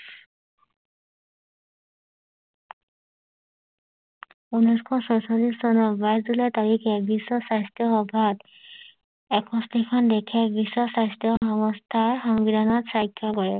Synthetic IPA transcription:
unɔjskʰɔsɔjsɔlissɔnɔbajsdulɔt̪aɹikʰɛbisːɔsajstjɔxɔbʱat̪ | ɛkʰɔstikʰɔndɛkʰɛbisːɔsajstjɔxɔŋɔstʰaɹxɔŋbid̪ʱanɔtsajkʰːjɔkɔɹɛ

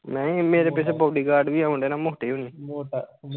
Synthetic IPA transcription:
mɛ̃ːmeːɾeːpɪt͡ʃʰeboːɖiːɡaːɾɖʋiːaʊɳɖeːnãːmʊːʈeːɦoːnĩː

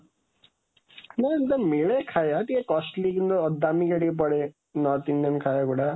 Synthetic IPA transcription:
nand̪amiɭekʰajat̪iẽkɔsʈlikind̪ɔːd̪ːamikaɽiepɔɽe | nɔt̪ind̪emkʰajakuɽa

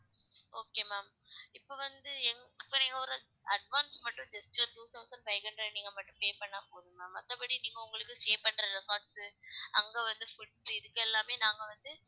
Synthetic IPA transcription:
oːkːeːmaːm | ɪpːoʋɐnd̪ɯɛŋɡpːɐɾiŋɡɐɔɾɯ | ɐɖʋaːnsmɐʈːɯ̃nd͡ʒɐstɪlɐʈuːt̪ʰɐʊsɐɳɖpɐɪkɐnɖɾɐniːŋɡɐmɐʈːɯ̃mpeːpɐɳːaːpoːðɯ̃mːaːmɐt̪ːɐpɐɽiniːŋɡɐʊŋɡɐɭɯkːɯʂeːpɐɳːɾɐlɐsaːɾʈsɯɐŋɡeʋɐnd̪ɯfʊʈsɪðɯkːɛlːaːmeːnaːŋɡɐʋɐnd̪ɯ

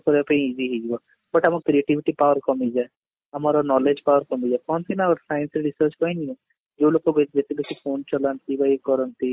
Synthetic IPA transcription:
kɔɾapɐĩid͡ʒiɦid͡ʒibɔ | bɐʈamakɾieʈiʋiʈipawəɾkɔmid͡ʒae | amaɾɔnɔled͡ʒpawəɾkɔmid͡ʒakɔnt̪inaɡɔɾsajənsɾiɾisəɾt͡ʃkɔiniɛ̃ | d͡ʒolokoɡɔt̪d͡ʒet̪ibɛt͡ʃʰifoːnt͡ʃɔlant̪ibajekɔɾɔnt̪i

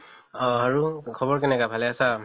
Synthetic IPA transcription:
ɔɦaɹukʰɔbɔɹkɛnɛkabʱalɛasa

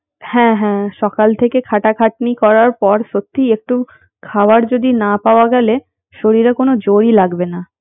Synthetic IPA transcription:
hɛ̃ɦɛ̃ʃɔkalt̪ʰekekʰaʈakʰaʈ̚nikɔɾaɾpɔɾʃot̪ʰːiek̚ʈu | kʰabaɾd͡ʑod̪inapaoaɡɛle | ʃoɾiɾakonod͡ʑoɾilaɡbena

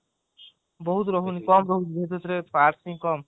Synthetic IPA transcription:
bɔɦut̪ɾɔɦunikɔmɾɔɦunibʱet̪et̪ɾepaɾsĩŋkɔm

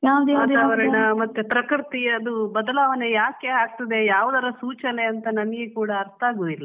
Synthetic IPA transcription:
jaːʋd̪ɛjaːd̪aaːʋɐɾɐɳɐmɐt̪ːepɾɐkɾt̪iɐd̪ubɐd̪ɐlaːʋɐnejaːke̞ɦaːɡ̚t̪ɐd̪e̞jaːʋud̪ɐɾɐsuːt͡ʃɐne̞ɐnt̪ɐnɐmɐɡekuːɽɐɐɾt̪aːɡuːilːɐ

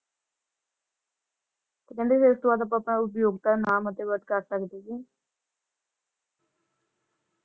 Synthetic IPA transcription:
t̪ekɛ̃nd̪iseəst̪ʋaːt̪̬əp̬əpɳ̃aʊp̬joːɡ̚t̪anamət̪ːeʋəʈ̪kəɾsəkd̪iki

